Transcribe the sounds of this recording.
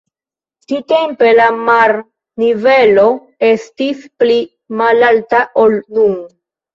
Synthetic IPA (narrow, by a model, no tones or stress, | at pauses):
t͡ʃitempe̞lamaɾ | nive̞lo̞ | e̞stispli | malaltaʔolnuŋ